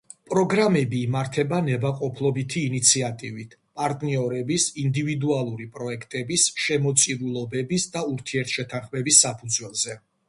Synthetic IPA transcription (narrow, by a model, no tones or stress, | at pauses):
pʼɾɔɡɾamɛbiːmaɾt̪ʰɛbanɛbaqʼɔpʰlˠɔbit̪ʰiːnit̪sʰiat̪ʼivit̪ʰpʼaɾt̪ʼniɔɾɛbisind̪ivid̪ualˠuɾipʼɾɔɛkʰt̪ʼɛbisʃɛmɔt̪sʼiɾulˠɔbɛbisd̪auɾt̪ʰiɛɾt̪ʰʃɛt̪ʰanχmɛbisːapʰud̪zwɛlˠzɛ